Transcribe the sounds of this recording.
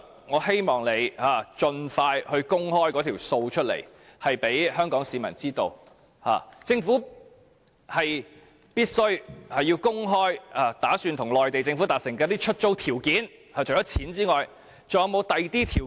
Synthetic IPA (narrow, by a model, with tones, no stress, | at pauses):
ŋɔː˨˧he˥jmɔː˨˩ŋle˨˧jaː˨˩t͡ʃɵ˧nfaː˧jhɵ˧ɥkʊ˥ŋhɔː˥jkɔː˨˥t̪ʰi˨˩wso˧wt͡ʃʰɵ˥t̚lḛ˨˩j | hɐ˨jpe˨˥jhœː˥ŋkɔː˨˥ŋsiː˨˧mɐ̰˨˩nt͡siː˥t̪o˧w | ha̰ː˨˩t͡sɪ˧ŋfuː˨˥ | hɐ˨j | piː˥t̚sɵ˥ɥhɐ˨jːi˧wkʊ˥ŋɦɔː˥jaː˨˩t̪aː˨˥syː˧nt̪ʰʊ˨˩ŋlɔː˨jt̪e˨jt͡sɪ˧ŋfu˨˥t̪aː˨t̚sɪ˨˩ŋkɛː˧t̪iː˥t͡ʃʰɵ˥t̚t͡so˥wt̪ʰiː˨˩wkiː˨˥n | aː˨˩t͡ʃʰɵ˨˩jɔː˨˥t͡sʰiː˨˥nt͡siː˥ŋɔː˨j | t͡sɐ˨jwmo˨˧wt̪ɐ˨jt̪iː˥t̪ʰiː˨˩